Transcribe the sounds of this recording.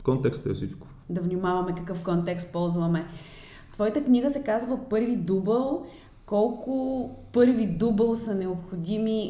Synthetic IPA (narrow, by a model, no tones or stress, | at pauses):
kɔnt̪ɛkst̪ɛfsit͡ʃkʊ̥ | d̪ɐvnʲimavɐmɛkɐkɤfkɔnt̪ɛkst̪̚pɔlˠzvɐmɛ | t̪vɔjit̪əknʲiɡəsɛkazvəpɤɾvid̪ubəlˠ | kɔlˠkʊpɤɾvid̪ubəlˠsɐnɛopxod̪ʲimi